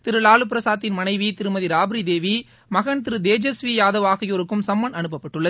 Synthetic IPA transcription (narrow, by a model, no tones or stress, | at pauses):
t̪ɪɾɯɭaːɭɯp̬ːɪɾɐsaːt̪ːɪnmɐnɐɪʋit̪ɪɾɯmɐðiɾaːbɪɾid̪eːʋi | mɐɣɐɳt̪ɪɾɯd̪eːd͡ʒɐsʋijaːðɐʋaːɣɐjoːɾɯkːɯmsɐmːɐnɐnɯp̬ːɐpːɐʈːɯɭːɐðɯ